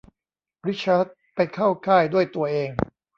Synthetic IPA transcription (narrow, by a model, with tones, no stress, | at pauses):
ɾi˦˥t͡ɕʰːa˦˥t̪̚pa˧jkʰaː˥˩wkʰaː˥˩jdu˥˩əjt̪u˧ɐʔeː˧ŋ